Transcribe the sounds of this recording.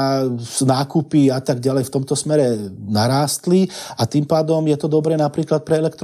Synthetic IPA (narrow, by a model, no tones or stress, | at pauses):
naːkupiat̪aɡɟalɛjft̪ɔmt̪ɔsmɛɾɛnaɾaːst̪liat̪impaːd̪ɔmjɛt̪ɔd̪ɔbɾɛːnapɾiːklat̪̚pɾɛɛlɛkt̪ɾ